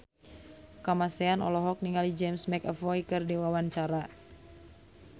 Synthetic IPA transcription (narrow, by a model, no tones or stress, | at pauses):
kamasɛanɔ̰lɔɦɔk̚niŋalid͡ʒɛmsmɛkəfɔjkɨrdiwawaɲt͡ʃaɾa